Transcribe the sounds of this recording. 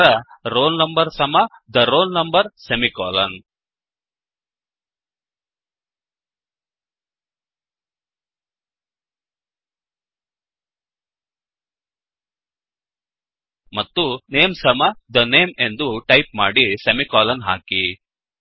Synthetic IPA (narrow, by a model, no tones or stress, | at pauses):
ɾɐɾoːlnɐmbɐɾsɐmɐd̪ɐɾoːlnɐmbɐɾsemikaːlɐn | mɐt̪ːuneːmsɐmɐd̪ɐneːme̞nd̪uʈɐjp̚maːɽisɐmikaːlɐnɦa̰ːki